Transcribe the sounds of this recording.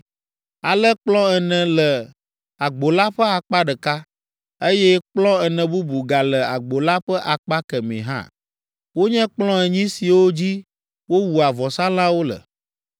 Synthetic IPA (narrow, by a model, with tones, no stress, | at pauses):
a˨lə˦k͡plɔ̃˦ɛ˨nɛ̃˨lə˨ | a˨ɡ͡bo˨la˦ɸə˦a˨k͡pa˦ɖə˨ka˦ | e˦jɛ˦k͡plɔ̃˦ɛ˨nɛ̃˨bu˦bu˨ɡa˨lə˨a˨ɡ͡bo˨la˦ɸə˦ʔa˨k͡pa˦kɛ˨mɛ̰̃˨ɦã̰˦˨ | wo˦ɲɛ̃˦k͡plɔ̃˦ɛ˨ɲĩ˦si˨wo˦d͡ʑi˦ | wo˦wu˨a˨vɔ˨sa˦lã˦wo˦lə̰˨